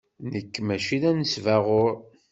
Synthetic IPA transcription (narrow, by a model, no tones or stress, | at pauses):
nəkːmæʃinænəsvæʁoɾ